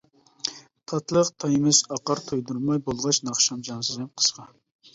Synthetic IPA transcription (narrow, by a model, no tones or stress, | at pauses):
t̪ʰɑt̪ʰlˠəqt̪ʰɑjmɪzɑqɑɾt̪ʰujd̪uɾmɑjbolˠʁɑt͡ʃnɑχʃɑmd͡ʒɑnsɨzɪmqʰə̥sqʰɑ